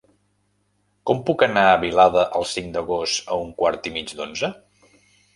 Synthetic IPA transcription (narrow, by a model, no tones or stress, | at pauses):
kɔmpukənaəβilaðəʔəlˠsiŋd̪əɣost̪əuŋkwaɾt̪imid͡ʒd̪onzə